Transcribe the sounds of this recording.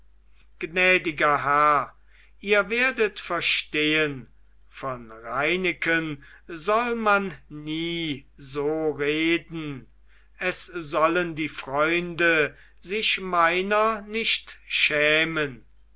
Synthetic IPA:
ɡ̥nɛːdɪɡɐɦæɐ | ʔiːɐveːɐdətfɛɐʃteːən | fɔnʁaɪnɪkən | zɔlmanːiːzoːʁeːdn̩ | ɛszɔləndiːfʁ̥ɔʏndə | zɪʃmaɪnɐnɪʃtʃɛːmən

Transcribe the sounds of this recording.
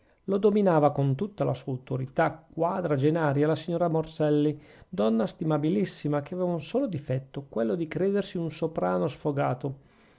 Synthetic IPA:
lod̪ominaːvakont̪ut̪ːalasuːawt̪oɾit̪akːwaːd̪ɾad͡ʒenaːɾjalasiɲːoːɾamorsɛlːid̪ɔnːast̪imabilisːimakeaveːvaunsoːlod̪ifɛt̪ːokwelːod̪ikɾeːd̪ersiunsopɾaːnosfoɡaːt̪o

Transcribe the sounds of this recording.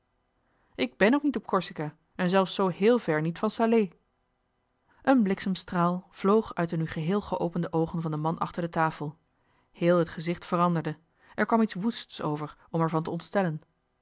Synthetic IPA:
ʔɪɡ̚bɛnoknitɔp̚kɔɹsika | ɛnzɛlˠfsowɦɪːlˠvɛɹnitfɑnsaːlej | ʔənblɪksəmstraːlˠv̥lowχœɥtdənyχəɦɪːlˠχəʔowpəndəʔowχənvɑndəmɑnʔɑ̰χtəɹdətaːfəlˠ | hɪːlˠɦətχəzɪχtfərɑndəɹdə | ʔɛɹkʋɑmitsʋustso̰wvəɹ | ɔmɛɹvɑntəɔntstɛlən

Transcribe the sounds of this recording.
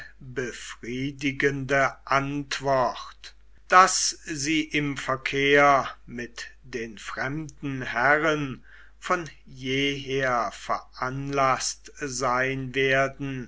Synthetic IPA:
bəfʁ̥iːdɪɡəndəʔantv̥ɔχt | d̥asziːʔɪmfɛɐkʰeːɐmɪtd̥eːnfʁ̥ɛmdn̩hɛʁən | fɔn | jeːɦeːɐfɛɐʔanlastzaɪnveːɐdn̩

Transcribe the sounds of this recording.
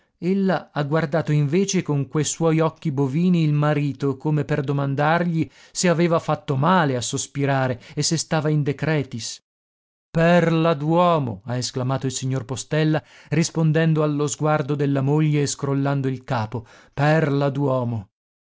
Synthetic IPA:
elːaaɡward̪aːt̪oiɱveːt͡ʃekoŋkwejswɔjɔkːiboviːniːlmaɾiːt̪okomeperd̪omand̪arʎi | seaveːvafat̪ːomaːleasospiɾaːɾeesːest̪aːvaind̪ekɾɛːt̪is | pɛrlad̪wɔːmo̰aesklamaːt̪oilsiɲːorpost̪ɛlːa | rispond̪ɛnd̪oalːozɡward̪od̪elːamoʎːeːskɾolːand̪oilkaːpo | pɛrlad̪wɔːmo

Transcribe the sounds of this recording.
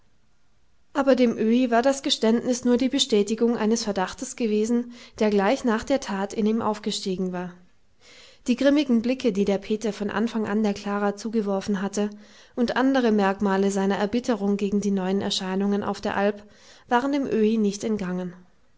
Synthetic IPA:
ʔaːbɐdeːmʔøːivaːɐdasɡ̥əʃtɛntnɪsnuːɐdiːbəʃtɛːtɪɡʊŋʔa̰ɪnəsfɛɐdaχtəsɡ̥əveːzn̩d̥eːɐɡlaɪçnaːχd̥eːɐtʰaːtɪniːmʔa̰ʊfɡ̥əʃtiːɡŋ̩vaːɐ | d̥iːɡʁɪmɪɡŋ̩blɪkədiːdeːɐpʰeːtɐfɔnʔa̰nfaŋʔa̰ndeːɐkʰl̥aːʁaːt͡suːɡəvɔɐfn̩ɦatə | ʔʊntʔandəʁ̞əmɛɐkmaːləzaɪnɐʔɛɐbɪtʰəʁʊŋɡeːɡŋ̩diːnɔʏənɛ̰ɐʃaɪnʊŋənʔa̰ʊfd̥eːɐʔalp | v̥aːʁəndeːmʔøːinɪçtɛntɡ̥aŋən

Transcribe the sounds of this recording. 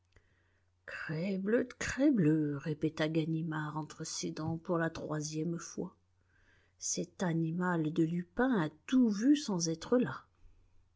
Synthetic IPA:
kχɛblød̪əkχɛbløʁepet̪aɡanimaʁɑ̃t̪χəsed̪ɑ̃puʁlat̪χwazjɛmfwa | sɛt̪animald̪əlypɛ̃at̪uvysɑ̃zɛt̪χəla

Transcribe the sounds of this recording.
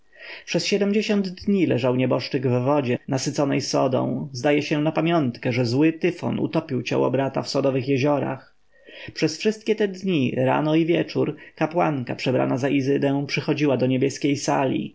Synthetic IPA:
pʂɛsɕɛd̪ɛmd͡ʑeɕɔnd̪ːɲilɛʐawɲɛbɔʂt͡ʂɘɡvːɔd͡ʑɛnasɘt̪sɔnɛjsɔ̰d̪ɔ̰̃w̃zd̪ajɛɕɛnapamʲjɔnt̪kɛʐɛzwɘt̪ɘfɔ̰nṵt̪ɔpʲiwt͡ɕa̰wɔ̰bɾat̪a̰fsɔd̪ɔvɘxjɛʑɔɾa̰x | pʂɛsfʂɘst̪̚kʲɛt̪ɛd̪ɲiɾa̰nɔivʲjɛt͡ʂuɾkapwa̰ŋkapʂɛbɾa̰nazaʔizɘd̪ɛw̃pʂɘxɔd͡ʑiwad̪ɔɲebʲjɛskʲejsalʲḭ

